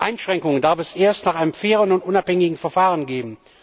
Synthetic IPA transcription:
ʔaɪnʃʁ̥ɛŋkʊŋəndaɐfɛsʔeːɐstnaːχʔaɪnəmfeːʁənʊntʔʊnaphɛŋɪɡŋ̩fɛɐfaːʁənɡeːbm̩

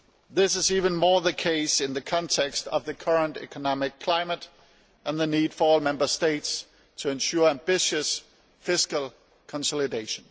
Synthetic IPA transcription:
ðɪsɨzivɨ̃nmɔɹðɨkʰeɪsɨ̃nðɨkʰɑ̃ntʰɛkstʌ̰vðɨkʰɜ˞ə̃ntɛ̰kʰənɑmɪkʰl̥ãɪməɾ | ʔə̃nðɨnid̥fə˞ɔlˠmɛ̃mbə˞steɪts | tʰɨɨ̃nʃʊɹæ̃mbɪʃɨs | fɪskəl̩ˠ | kʰə̃nsɔlˠɨdeɪʃə̃n

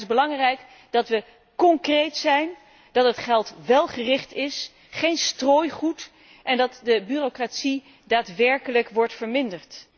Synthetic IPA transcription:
zbəlɑŋrɛjk | dɑtʋə | kɔŋkrejtsɛjn | d̥ɑtɦətχɛlˠtʋɛlˠχərɪχtɪs | χejnstroːjχut | ʔɛndɑtdəbyːrokratsi | daːtʋɛɹkələkʋɔɹtfəɹmɪndəɹt

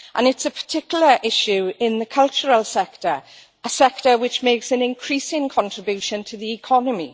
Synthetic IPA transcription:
ʔə̃nɪtsəpʰə̥tʰɪkjl̩ˠəɹʔɪʃuɪ̃nðəkʰʌlˠt͡ʃəɹəlˠsɛktəɹ | əsɛk̚təwɪt͡ʃmeɪksə̃nɪ̃nkʰɹ̥isɪ̃ŋkʰɒ̃ntɹ̥ɪbjuʃə̃ntʰəðiɪkʰɒnəmi

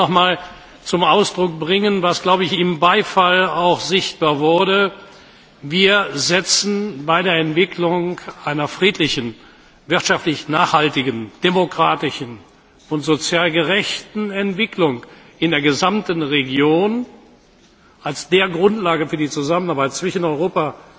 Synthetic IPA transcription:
ɔχmaːl | t͡sʊmaʊsd̥ʁʊk̚b̥ʁɪŋənvasɡ̥laʊbəɪçɪmbaɪfalaʊxz̥ɪçt̚b̥aːɐvʊɐdə | viːɐzɛt͡sn̩baɪdeːɐɛntv̥ɪklʊŋkʔaɪnɐfʁ̥iːtʰlɪçn̩ | vɪɐtʃaftlɪçnaːχhaltɪɡənd̥emokʁ̥aːtɪʃn̩ | ʊntz̥ot͡sjaːlɡəʁɛçtn̩ɛntv̥ɪklʊŋ | ɪndeːɐɡəzamtn̩ʁeɡjoːn | ʔalsd̥eːɐɡʁʊntlaːɡəfyːɐdiːt͡suzamənaɐbaɪt̚t͡sv̥ɪʃənɔʏʁoːpa

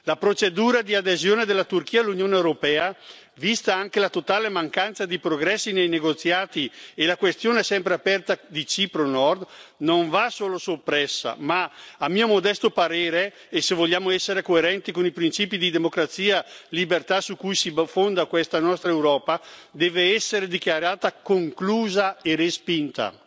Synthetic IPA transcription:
lapɾot͡ʃed̪uːɾad̪iad̪ezjoːned̪elːat̪urk̟iːalːunjoːneewɾopɛːa | vist̪aaŋkelat̪ot̪aːlemaŋkant̪sad̪ipɾoɡɾɛsːinejneɡot̪sːjaːt̪ielakwest̪joːneɛsɛmpɾeapɛrt̪ad̪it͡ʃipɾonɔrd̪noɱvasoːlosopːɾɛsːa̰maamiːomod̪ɛst̪opaɾeːɾeː | sevoʎːaːmoɛsːeɾekoeɾɛnt̪ikonipɾint͡ʃiːpid̪id̪emokɾat̪sːiːalibert̪asukujsifond̪akwɛst̪anɔst̪ɾaewɾɔːpad̪ɛːveɛsːeɾed̪ikjaɾeaːt̪akoŋkluːzaerespint̪a̰

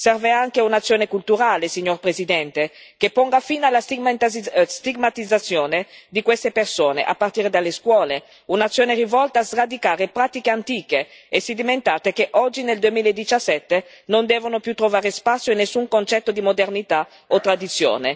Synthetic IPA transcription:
sɛrveaŋkeunat̪sːjoːnekult̪uɾaːlesiɲːorpɾezid̪ɛnt̪e | kepːɔŋɡafiːnalas | st̪iɡmat̪id̪zːat̪sːjoːned̪ikwest̪epersoːnḛʔa̰pːart̪iːɾed̪alːeskwɔːle | unat̪sːjoːneɾivɔlt̪aːzrad̪ikaːɾepɾaːt̪ikeant̪iːkeesid̪iment̪aːt̪ekeʔɔd͡ʒːineld̪uemiːlaed̪ːit͡ʃasːɛt̪ːe | nond̪ɛːvonopjut̪ːɾovaːɾespat̪sːjoinːesːuŋkont͡ʃɛt̪ːod̪imod̪ernit̪a | ot̪ːɾad̪it̪sːjo̰ːne

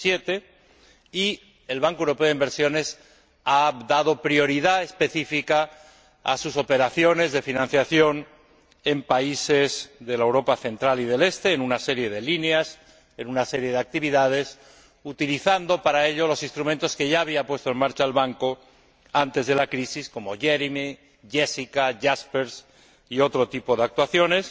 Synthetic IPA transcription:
je̞t̪e̞ | i | e̞lβaŋkoewɾopeoðimbe̞ɾsjo̞ne̞s | ad̪aðo̞pɾjo̞ɾiðaespe̞θifika | a̰suso̞pe̞ɾaθjo̞ne̞zðe̞finãnθjaθjo̞n | e̞mpaise̞zðe̞laewɾo̞paθe̞nt̪ɾaliðe̞le̞st̪e̞ːnunase̞ɾje̞ðe̞lineas | enunase̞ɾje̞ðeak̚t̪iβiðað̞e̞s | ut̪iliθand̪o̞paɾae̞ʎo̞lo̞sĩnst̪ɾument̪o̞ske̞ʝaːβiapwe̞st̪oe̞nmaɾt͡ʃaelβaŋko̞ | ant̪e̞zðe̞lakɾisisko̞mo̞ʝeɾime | ʝe̞sikaʝaspeɾs | io̞t̪ɾo̞t̪ipo̞ðeak̚t̪waθjo̞ne̞s

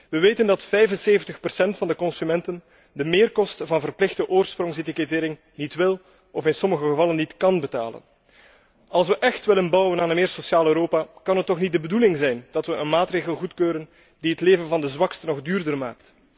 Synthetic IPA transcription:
ʋəʋeːtəndɑtfɛjvənseːvəntəxpərsɛntfɑndəkɔnsymɛntən | dəmɪːrkɔstəvɑnvərplɪxdəʔoːrsprɔŋsetiketɪːɾɪŋ | nitʋɪl | ɔfɪnsɔməɣəɣəvɑlənːitkɑnbəta̰ːlə̰n | ɑlˠs̬ʋəʔɛxtʋɪlənbʌwənaːnənmɪːrsosjaːløːɾoːpakɑnɦətːɔxnit̚dəbədulɪŋzɛjnd̥ɑtʋəʔənmaːtreːɣəlˠɣutkøːɾən | diɦətleːvənvɑndəzwɑkstənɔɣdyːrdərma̰ːkt

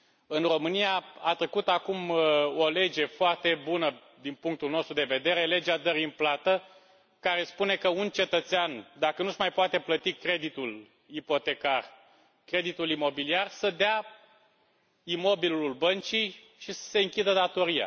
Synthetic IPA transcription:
ɨnro̞mɨnijaat̪ɾekut̪akumo̞le̞d͡ʒe̞foart̪e̞bunə | d̪inpuŋk̚t̪ulno̞st̪ɾud̪e̞ve̞d̪e̞ɾe̞le̞d͡ʒad̪əɾiɨnplat̪ə | kaɾe̞spune̞kəunt͡ʃe̞t̪ət̪seand̪akənuʒmajpoat̪e̞plət̪ikɾe̞d̪it̪ul | ipo̞t̪e̞kar | kɾe̞d̪it̪ulimo̞biliarsəd̪ea | imo̞bilulbənt͡ʃij | ʃisə̥se̞ɨŋkʲid̪əd̪at̪o̞ɾija̰

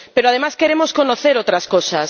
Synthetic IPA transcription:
peɾoaðemaskeɾemoskonoθeɾowt̪ɾɐskosɐs

